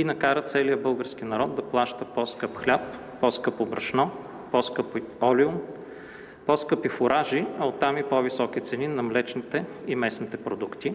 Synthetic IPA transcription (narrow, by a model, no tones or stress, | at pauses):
inɐkaɾət̪sɛlijəbɤlˠɡəɾsk̟inɐɾɔd̪d̪ɐplˠaʃt̪əpɔskɤpxlʲap̚ː | ɔskɤpobɾɐ̰ʃnɔ | pɔskɤpɔliʊn | pɔskɤpifʊɾʔaʒiɐot̪ːamipɔvisɔk̟it̪sɛninɐmlɛt͡ʃnit̪ɛimɛsnit̪ɛpɾod̪ukt̪i